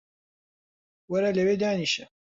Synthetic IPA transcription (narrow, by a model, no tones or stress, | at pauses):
wɐɾaːlɐweːd̪aːniʃɛ